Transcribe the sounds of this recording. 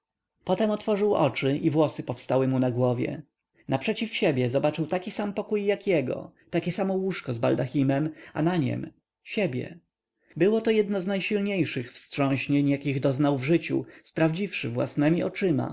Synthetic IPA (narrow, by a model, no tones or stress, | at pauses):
pɔt̪ɛmɔt̪fɔʐɘwʔɔt͡ʂɘʔivwɔsɘpɔfst̪awɘmunaɡwɔvʲjɛ̰ | napʂɛt͡ɕifɕebʲjɛzɔbat͡ʂɘwt̪akʲisampɔkujːakjɛɡɔ̰t̪akʲɛsamɔwuʂkɔzba̰ld̪axʲimɛma̰naɲɛ̰m | ɕebʲjɛ̰ | bɘwɔt̪ɔjɛd̪nɔznajɕilɲejʂɘxfstʂɔ̃ɕɲeɲjakʲiɣd̪ɔznawvʐɘt͡ɕṵspɾavd͡ʑifʂɘvwa̰snɛmʲiʔɔt͡ʂɘma̰